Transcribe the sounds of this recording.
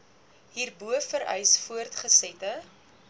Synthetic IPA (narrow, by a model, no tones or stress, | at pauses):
ɦiːrbuəfəɾœ̰jsfuərtχəsɛtə